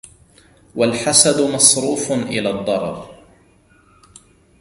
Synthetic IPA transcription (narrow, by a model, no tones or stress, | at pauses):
walħasad̪ʊmɑsˤɾuːfʔɪlaːd̪ˤːɑɾˤɑ̰ɾ